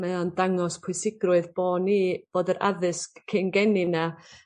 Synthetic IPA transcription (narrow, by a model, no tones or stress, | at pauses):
mɛɔndaŋɔspʰwʊɨsɪɡrʊɨðb̥oːniːb̥oːdəɾʔa̰ðɨskkʰːenɡɛnina